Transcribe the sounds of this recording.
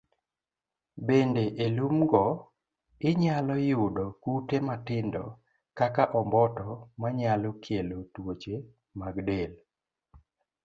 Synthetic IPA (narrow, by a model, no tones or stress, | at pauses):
bendeʔelumɡɔ | ɪɲalɔjʊdɔkutematɪndɔ | kakaʔɔmbɔtɔmaɲalɔkʰelotwot͡ʃe | maɡdel